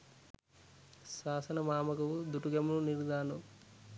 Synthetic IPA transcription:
saːsɐnɐmaːmɐkɐwud̪uʈuɡɐmununiɾd̪aːnu

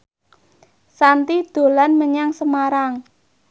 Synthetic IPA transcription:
sant̪id̪̥o̤lanməɲaŋsəmaɾaŋ

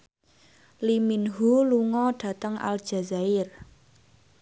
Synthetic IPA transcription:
liminɦuluŋɔɖ̥a̤t̪əŋʔa̰ld̥ʒ̥a̤zaɪr

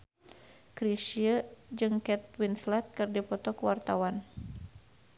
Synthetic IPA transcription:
kɾisiəd͡ʒɨŋkɛt̪̚winslɛt̪̚kɨrdipɔt̪ɔkəwart̪awan

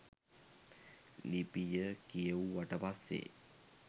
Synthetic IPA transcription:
lipijəkijəuʋaʈəpasːḛ

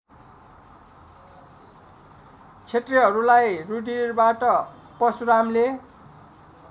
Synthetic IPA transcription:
t͡sʰeʈriɦʌɾulajruɖirbaʈʌ | pʌsuɾamle

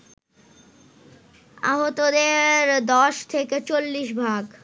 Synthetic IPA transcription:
a̰ɦot̪od̪eɾd̪ɔʃt̪ʰeket͡ɕolːiʃbʱaɡ

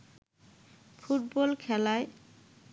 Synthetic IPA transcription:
fʰuʈbɔlkʰɛlae

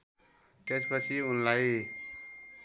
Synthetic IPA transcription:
t̪espət͡ʃʰiʊnlai

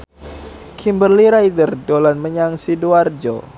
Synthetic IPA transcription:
kʰimbərliɾajdərdolanməɲaŋsiduard͡ʒo̰

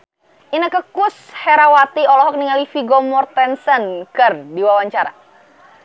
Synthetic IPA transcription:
ʔinəkəkus | hɛɾawat̪iɔlɔɦɔk̚niŋalifiɡɔmɔrt̪ɛnsənkərdiwawaɲt͡ʃaɾa̰

